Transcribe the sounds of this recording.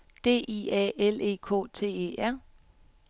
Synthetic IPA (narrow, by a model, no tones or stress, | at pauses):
d̥e̝̰ːʔiɛele̝ːkʰɔ̰̽ːt͡sʰe̝̰ːe̝̰ːæɐ̰